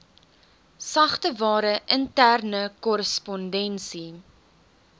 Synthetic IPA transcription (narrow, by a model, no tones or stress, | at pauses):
sɐχtəvɑːɾəʔəntærnəkɔɾəspɔndɛnsi